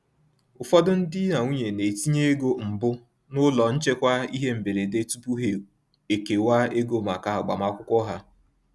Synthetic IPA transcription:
ʊ˨fɔ˦dʊ˦n̩˦dɪ˦na˨ŋʷu˦ɲe˨ne˨ti˦ɲe˦e˦ɡo˦m̩˨bʊ˦ | nʊ˦lɔ˨n̩˦t͡ʃe˦kʷa˦i˦ɦe˦m̩˨be˨ɾe˨de˦tu˦pu˦ɦe˨ | e˨ke˨wa˦e˦ɡo˦˨ma˨ka˨ɦa˨ɡ͡ba̰˨ma˦kʷʊ˦kʷɔ˦ɦa˦

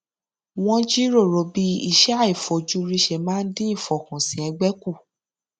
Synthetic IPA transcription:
w̃ɔ̃˦d͡ʒi˦ɾo˦˨ɾo˨˧bi˦ḭ˦˧˨ʃɛ˦a˦˨i˨fɔ˨d͡ʒu˦ɾi˦˧ʃe˧mãː˦n̩˦dĩ˦ĩ˦˨fɔ˨kũ˨sĩ˨ɛ˧ɡ͡bɛ˦ku˦˨

